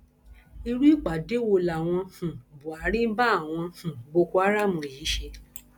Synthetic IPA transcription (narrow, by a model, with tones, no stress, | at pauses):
i˧ɾu˦i˦k͡pa˨de˨˦wo˧la˨w̃ɔ̃˧hũ˨bu˨a˨˦ɾĩ˦m̩˦ba˦˨w̃ɔ̃˧hũ˨bo˧ko˧˦a˦ɾa˦˨mũ˧i˨jiː˨˦ʃe˧